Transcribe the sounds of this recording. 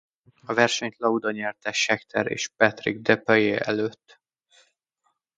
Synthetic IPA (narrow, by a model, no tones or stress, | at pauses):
ɒvɛrʃɛɲt̪lɒud̪oɲɛrt̪ɛʃɛkt̪ʰɛɾḛːʃpɛt̪rḭɡ̚d̪ɛpɒjeːʔɛløːt̪ː